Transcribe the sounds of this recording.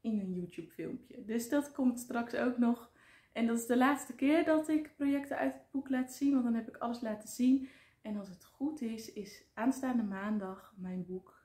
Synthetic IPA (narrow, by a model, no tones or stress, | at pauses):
ɪnənjuːtjupfɪ̰lˠmpjədɵsdɑtkɔmtstrɑksowknɔχ | ʔɛndɑtɪzdəlaːtstəkɪːɹdɑtɪkprojɛktəœ̰ɥtəd̚buklaːtsinʋɑndɑnɦɛpɪkɑləslaːtəzin | ɛnɑlˠs̬ətχutɪsɪsʔaːnstaːndəmaːndɑχmɛjnbuk